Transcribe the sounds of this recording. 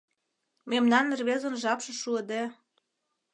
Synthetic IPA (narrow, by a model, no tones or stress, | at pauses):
memnɑnerβezə̆nʒɑpʃɤ̆ʃuəd̪æ